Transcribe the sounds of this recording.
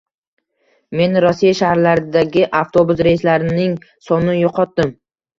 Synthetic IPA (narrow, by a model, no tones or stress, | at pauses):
me̞nɾɒsijaʃahɾlaɾɪd̪aɡʲɪʔaft̪ʰobuzɾejɪslaɾɪnɪŋsɒnɪjoqʰɒt̪̚d̪ɪm